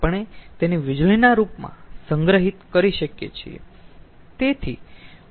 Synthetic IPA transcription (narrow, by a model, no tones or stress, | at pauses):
pəɳ̃et̪eneʋɪd͡ʒlinaɾupmã̰səŋɡɾəɦit̪kəɾiʃəkjḛt͡ʃʰḭḛ | t̪et̪ʰḭ